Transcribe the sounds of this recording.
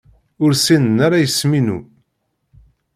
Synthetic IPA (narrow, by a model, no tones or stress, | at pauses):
ʊɾsinənaɾajəsminṵ